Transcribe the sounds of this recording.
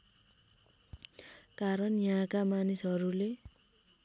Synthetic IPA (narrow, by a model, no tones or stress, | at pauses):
kaɾʌnjʌɦãkamanisʌɾule